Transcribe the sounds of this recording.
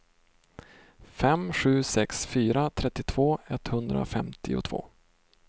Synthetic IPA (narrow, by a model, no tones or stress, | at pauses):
fɛmɧʉ̟ːsɛksfyːɾat̪ʰɾɛt̪ːɪt̪ʰv̥oːɛt̪ːhɵnd̪ɾa̰fɛmt̪ʰɪʊ̰t̪ʰv̥o̰ː